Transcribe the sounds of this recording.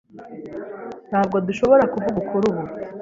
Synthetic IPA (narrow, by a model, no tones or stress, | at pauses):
n̥haːb̚ɡo̞duʃo̞βo̞ɾakuvuɡukʰuɾuβu